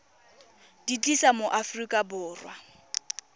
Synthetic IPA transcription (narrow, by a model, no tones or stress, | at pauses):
d̥it͡ɬʼisamoʔafrikʼabʊːrwa̰